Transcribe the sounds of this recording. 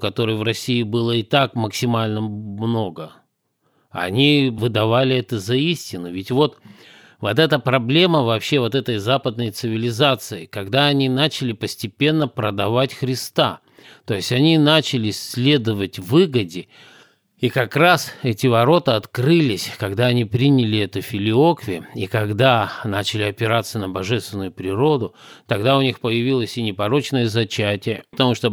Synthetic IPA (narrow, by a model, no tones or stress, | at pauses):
kɐt̪o̞ɾɨjvɾɐsʲiɪbɨlˠəɪt̪akməksʲɪmalʲnəmno̞ɡə | ɐ̰nʲivɨd̪ɐvalʲɪɛt̪əzɐisʲtʲɪnːʊvʲɪtʲvo̞t̪ | vot̪ɛt̪əpɾɐblʲe̞məvɐpɕːe̞vo̞t̪ɛt̪əjzapəd̪̚nəjt̪sɨvʲɪlʲɪzat̪sɨɪkɐɡd̪aɐnʲinat͡ɕɪlʲɪpəsʲtʲɪpʲe̞nːəpɾəd̪ɐvatʲxɾʲɪst̪a̰ | t̪o̞jɪsʲtʲɐnʲinat͡ɕɪlʲɪsʲlʲe̞d̪əvətʲvɨɡədʲɪ | ikɐkrasɛtʲɪvɐɾo̞t̪əɐt̪kɾɨlʲɪsʲkɐɡd̪aɐnʲipɾʲinʲɪlʲɪɛt̪əfʲɪlʲɪo̞kvʲɪəikɐɡd̪anat͡ɕɪlʲɪɐpʲɪɾat̪səənəbɐʐɛst̪vʲɪnːʊjʊpɾʲɪɾo̞d̪ʊt̪ɐɡd̪aʊnʲixpəjɪvʲilˠəsʲɪnʲɪpɐɾo̞t͡ɕnəjəzɐt͡ɕætʲɪjəpət̪ɐmuʂt̪o